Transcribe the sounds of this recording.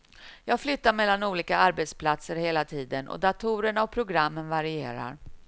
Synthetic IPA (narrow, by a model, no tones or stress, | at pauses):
jɑːɡflʏt̪ːaɾmɛlːanuːliːkaaɾbɛt̪spʰlat̪səɾheːlat̪ʰiːd̪ənʔɔ̰d̪at̪ʰuːɾəɳaɔpʰɾʊɡɾamːənvaɾɪeːɾa̰ɾ